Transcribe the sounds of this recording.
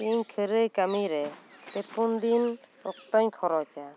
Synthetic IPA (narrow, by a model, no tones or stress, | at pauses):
iɲkʰəɾɯjkamiɾɛt̪epund̪inɔ̰k̚t̪ɔɲkʰɔɾɔt͡ʃa